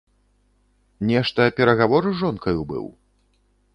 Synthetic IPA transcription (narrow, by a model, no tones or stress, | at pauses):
nʲɛʂt̪ɐːpʲɛɾɐɣavɔɾɨʐɔnkɐjubɨ̰w